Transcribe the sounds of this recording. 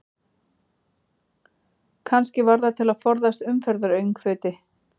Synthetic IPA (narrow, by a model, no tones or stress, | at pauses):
kʰanscɪvaɾðat̪ʰɪlaðfɔɾðast̪ʏmfɛɾðʏɾœɥŋkfœːt̪ɪ